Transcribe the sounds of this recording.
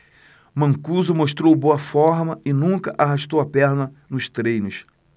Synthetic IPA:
mɐ̃ŋkuzʊmoʃt̪ɾowboɐfɔɾmɐɪnũkɐʔaɦaʃt̪owɐpɛɾnɐ | nʊst̪ɾẽjnʊs

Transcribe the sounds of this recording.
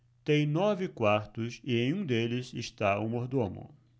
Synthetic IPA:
t̪ẽj̃nɔvɪkwaɾt̪ʊsɪẽj̃ũd̪elɪsɪʃt̪aumoɾd̪õmʊ̰̃

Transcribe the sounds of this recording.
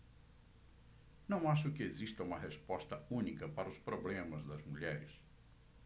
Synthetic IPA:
nɐ̃w̃aʃʊkɪezist̪ɐũmɐɦespɔst̪ɐũnikɐpaɾɐʊspɾoblẽmɐzd̪ɐzmuʎɛɾɪs

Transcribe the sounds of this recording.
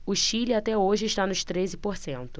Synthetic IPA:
ʊʃilɪat̪ɛoʒɪːʃt̪anʊʃt̪ɾezɪpoɾsẽnt̪ʊ̥

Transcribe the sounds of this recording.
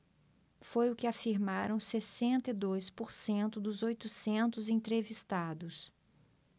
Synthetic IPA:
fojʊkɪafiɾmaɾɐ̃w̃sesẽnt̪ɐɪd̪ojspoɾsẽnt̪ʊd̪ʊzojt̪ʊsẽnt̪ʊzẽt̪ɾevist̪ad̪ʊs

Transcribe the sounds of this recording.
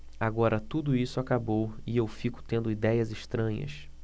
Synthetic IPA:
aɡɔɾɐt̪ud̪ʊisʊakabowɪewfikʊ̥t̪ẽnd̪ʊid̪ɛjɐzɪʃt̪ɾɐ̃ɲɐ̰s

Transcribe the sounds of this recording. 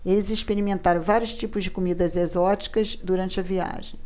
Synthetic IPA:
elɪzĩʃpeɾimẽnt̪aɾvaɾjʊʃt͡ʃipʊzd͡ʒɪkumid̪ɐzezɔt͡ʃi̥kɐzd̪uɾɐ̃nt͡ʃɪɐvia̰ʒẽj̃

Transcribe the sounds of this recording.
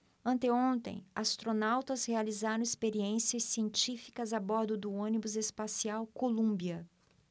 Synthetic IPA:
ɐ̃nt̪eõnt̪ḛ̃j̃ast̪ɾonawt̪ɐzhealizaɾɐ̃w̃ispeɾiẽsiɐsːiẽnt͡ʃifi̥kɐzabɔɾd̪ʊd̪ʊõnibʊzespasiawkolũbiɐ

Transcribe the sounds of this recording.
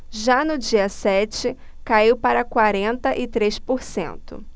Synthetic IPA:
ʒanʊd͡ʒiɐsɛt͡ʃɪ | kaiwpaɾɐkwaɾẽnt̪ɐʔɪt̪ɾespoɾsḛ̃nt̪ʊ̰

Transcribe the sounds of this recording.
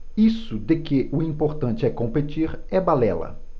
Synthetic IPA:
isʊd̪ekeʔʊĩpoɾt̪ɐ̃nt͡ʃɪɛkõmpet͡ʃiɾɛbalɛlɐ̰

